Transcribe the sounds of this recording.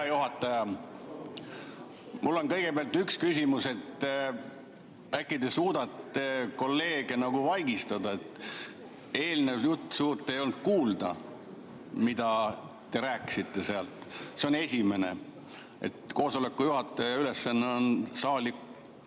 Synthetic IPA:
juɦɑt̪ːˑɑjɑ | mulːo̞nkɤ̞jɡ̥e̞beɑlt̪ykskysʲimuse̞t̪ː | ækˑːid̪esuːd̪̥ɑt̪ːˑe̞ko̞lːe̞ːɡ̥e̞nɑɡ̥uvɑjɡist̪ɑd̪ɑet̪ | e̞ːlnejut̪ːsuːt̪ːˑe̞jo̞lnd̪̚kuːld̪ɑ̰ | mid̪̥ɑ | t̪e̞ɾæːkːˑi̥sit̪ːe̞seɑlt̪ˑse̞o̞ne̞sʲime̞ne̞̰ | ḛt̪ko̞ːso̞le̞kːˑujuɦɑt̪ːˑɑjɑyle̞sːɑnːeo̞nsɑːlik

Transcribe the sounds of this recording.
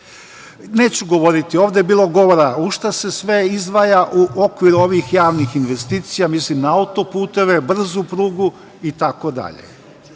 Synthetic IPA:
ne̞ːt͡ɕuɡo̞ʋo̞ɾit̪io̞ːʋd̪ebiːlˠo̞ɡo̞ʋo̞ɾauʃt̪ase̞sʋe̞izʋajaʔuʔo̞kʋiɾuo̞ʋixjaːʋnixinʋe̞st̪iːt̪sijamislimnaaut̪o̞puːt̪e̞ʋe̞br̩zupɾuːɡu | it̪ako̞d̪a̰ʎḛ

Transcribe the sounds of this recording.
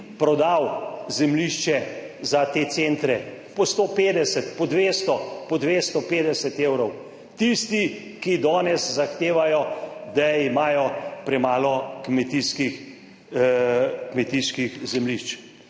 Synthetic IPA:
pɾɔd̪awzɛmliʃt͡ʃɛzat̪eːsent̪ɾɛ | pɔst̪opeːd̪ɛsɛt̪pɔd̪ʋeːst̪ɔpɔd̪ʋeːst̪ɔpeːd̪ɛsɛt̪ewɾɔw | t̪ist̪i | kid̪ɔːnɛszaxt̪eːʋajɔd̪aimaːjɔpɾɛmaːlɔkmɛt̪iskix | kmɛt̪iskixzɛmliʃt͡ʃ

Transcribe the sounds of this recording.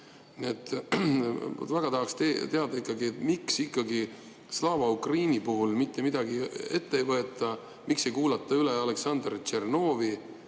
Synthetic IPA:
niet̪ːˑ | t̪væɡ̥ɑt̪ɑɦɑkst̪et̪e̞ɑd̪ɑikːˑɑɡiet̪miksikˑːɑɡi | slɑːvɑukriːnʲipuɦulmit̪ːe̞mid̪̥ɑɡie̞t̪ːejvɤe̞t̪ːˑɑ | mikse̞jkuːlɑt̪ˑːɑyleɑle̞ksɑnd̪rt͡ʃerno̞ːvi

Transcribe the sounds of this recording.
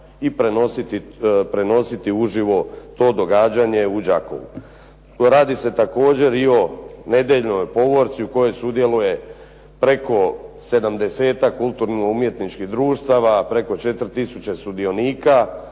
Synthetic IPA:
ipɾenosit̪ipɾe̞no̞sit̪iuʒiʋo̞t̪o̞ːd̪o̞ɡaːd͡ʑaɲe̞ud͡ʑako̰ʋṵ | ɾaːd̪ise̞t̪ako̞ːd͡ʑe̞ɾio̞ne̞d̪eʎnojpo̞ʋo̞ɾt̪siuko̞jo̞jsud̪je̞luje̞ | pɾe̞ko̞se̞d̪amd̪e̞se̞ːt̪akːulˠt̪uɾnioumje̞t̪nit͡ʃkiɦd̪ɾuːʃt̪aʋapɾe̞ko̞t͡ʃe̞t̪ɾ̩t̪isut͡ɕe̞st̪ud̪io̞niːka

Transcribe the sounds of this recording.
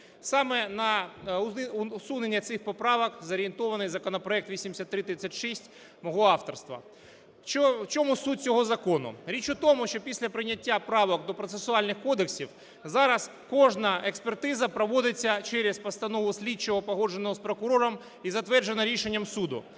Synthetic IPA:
sɑmɛnɐ | ʊsunenʲːɐt̪sɪxpɔpɾɑʋɐkzɐɾʲient̪ɔʋɐnɪjzɐkɔnɐpɾɔɛk̚t̪ʋʲisʲimd̪ʲɪsʲat̪ːɾɪt̪ɾɪsʲːatʲʃɛsʲtʲ | mɔɦɔɑft̪ɔrst̪ʋɐ̰ | t͡ʃɔt͡ʃɔmusut̚ʲt͡sʲɔɦɔzɐkɔnʊ̰ɾʲit͡ʃʊt̪ɔmʊʃt͡ʃɔpʲisʲlʲɐpɾɪnʲɐtʲːapɾɑʋɔkd̪ɔpɾɔt̪sesʊɑlʲnɪxkɔd̪eksʲiw | zɑɾɐs | kɔʒnɐekspert̪ɪzɐpɾɐʋɔd̪ɪt͡sʲːɐt͡ʃɛɾʲespɐst̪ɐnɔʋʊsʲlʲit͡ʃːɔɦɔpɔɦɔʒenɔɦɔspɾɔkʊɾɔɾɔm | izɐt̪ʋɛrd͡ʒenɐɾʲiʃenʲːɐmsud̪ʊ̰

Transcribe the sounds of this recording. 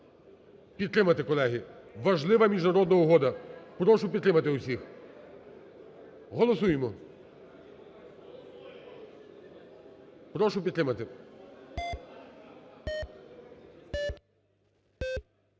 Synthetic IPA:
pʲid̪t̪ɾɪmɐt̪ekɔlˠɛɦʲiʋɐʒlˠɪʋɐmʲiʒnɐɾɔd̪nɐʊɦɔd̪ɐpɾɔʃʊpʲid̪t̪ɾɪmɐt̪ɪʊsʲix | ɦɔlˠɔsujemɔ | pɾɔʃʊpʲid̪t̪ɾɪmɐt̪ɪ

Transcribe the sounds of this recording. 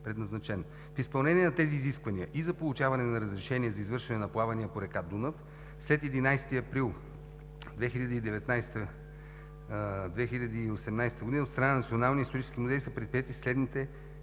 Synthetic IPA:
pɾɛd̪nɐznɐt͡ʃɛno | fispɐlˠnɛniɛnɐt̪ɛziːziskvɐniəʔizɐpolˠut͡ʃavɐnɛnɐɾəzɾɛʃɛniɛzɐizvɤɾʃɛnɛnɐplˠavɐniəpoɾɛkad̪unəf | slɛt̪ɛd̪inajst̪iɐpɾilˠ | d̪vɛxiʎʲəd̪əid̪ɛvɛt̪najst̪ə | d̪vɛxiʎʲɐd̪iːosɛmnajst̪əɡod̪inot̪st̪ɾɐnaɐnɐt̪sionalˠniist̪oɾit͡ʃɛskʲimuzɛjisɐpɾɛt̪pɾijɛt̪islɛd̪nit̪ɛ

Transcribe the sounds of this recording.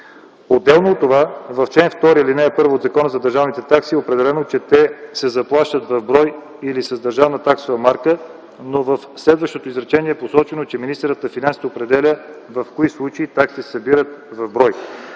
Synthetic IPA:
od̪ːɛlˠnoːt̪ːovavɐft͡ʃɛnft̪ɔɾiilinɛːpɤɾvood̪zɐkɔnəzɐd̪ɐɾʒavnit̪ɛt̪aksiopɾɛd̪ɛlɛnot͡ʃɛt̪ɛsɛzɐplˠaʃt̪ət̪vɐvbɾɔj | ilisɐzd̪ɐɾʒavnət̪aksovɐmaɾkə | novəfslɛd̪vəʃt̪ot̪oizɾɛt͡ʃɛniɛposɔt͡ʃɛnot͡ʃɛminist̪ɾət̪əfinansi̥t̪ɛopɾɛd̪ɛlʲəvɐfkoislˠut͡ʃəit̪aksisɐbiɾət̪vɐvbɾɔj

